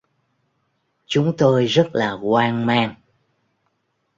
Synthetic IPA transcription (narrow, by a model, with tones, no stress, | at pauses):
t͡ɕʊ˨˦ŋ͡mt̪o˧jzə˦˥t̚laː˨˩kwaː˧ŋmaː˧ŋ